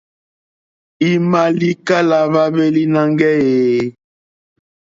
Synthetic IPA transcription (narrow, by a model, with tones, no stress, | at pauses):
i˨ma˨li˦ka˦la˨βa˦be˦li˦na˦ŋɡɛ˦je˨